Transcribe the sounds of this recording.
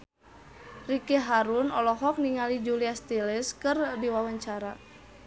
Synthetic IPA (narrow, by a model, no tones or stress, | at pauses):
rikeɦaɾunɔlɔɦɔk̚niŋalid͡ʒuliast̪elɪskɨrdiwawaɲt͡ʃaɾa